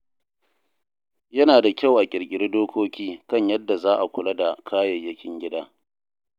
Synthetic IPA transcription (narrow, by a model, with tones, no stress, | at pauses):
jɐ˦naː˨da˨kʲa˦˨wʔa˨kʲʼɪ˨ɽkʲʼɪ˦ɽdoː˦kʰʷoː˦kʲiː˦kɐ˦˨ɲjɐ˦dːa˨zaː˦ʔa˨kʷʊ˨lɐ˦da˨kʰaː˦jɐ˨jːɐ˦kʲɪ˦ŋɡʲɪ˦daː˦